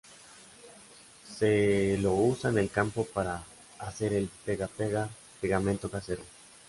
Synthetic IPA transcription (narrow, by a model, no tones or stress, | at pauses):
selo̞usanelkampopaɾaː | se̞ɾelpeɣapeɣa | peɣamẽnt̪okaseɾo